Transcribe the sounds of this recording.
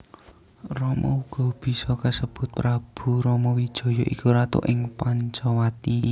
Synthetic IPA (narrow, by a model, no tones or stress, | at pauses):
rɔmɔ̰uɡ̥ɔ̤b̥i̤sɔkasəb̥ʊ̤t̪̚pɾab̥ṳɾɔmɔwid̥ʒ̥ɔ̤jɔʔikuɾat̪ʊ̰ʔɪŋpaɲt͡ʃɔwat̪i